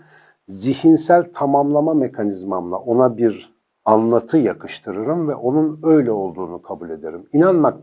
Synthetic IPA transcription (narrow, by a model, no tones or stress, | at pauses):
ziçinsælʲt̪ʰamamlˠamame̞kʰanizmamlˠa̰ʔo̞nabiɾ | anlˠat̪ʰɯjakʰɯʃt̪ʰɯɾɯɾɯmvɛʔo̞nunø̞jlʲɛo̞lˠd̪uːnukʰabulʲe̞d̪eɾiminanmak̚